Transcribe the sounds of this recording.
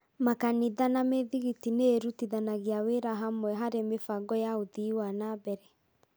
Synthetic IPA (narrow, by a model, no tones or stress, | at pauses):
makaniðanameðiɣitineɾutiðanaɣeaweɾaɦamwɛɦaɾemefaɡɔjaoðiwanabɛɾɛ